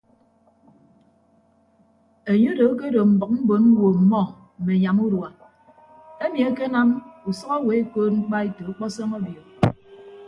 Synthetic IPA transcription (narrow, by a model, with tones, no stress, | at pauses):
e˨ɲo˦do˨˦ke˦do˨m̩˨bʌ˨k̚m̩˦bo˨˦nm̩˦wo˨m̩˨mɔ˦˨ | m̩˨me˨ɲa˨mu˦ɾwa˨ | e˦mi˨a˨ke˦na˦mu˨sɔ˦ɣɔ˦we˨˦e˦koː˦t̚ŋ͡m̩˦k͡pa˦i˦to˨u˦k͡pɔ˦sɔ˦ŋɔ˦bjo˨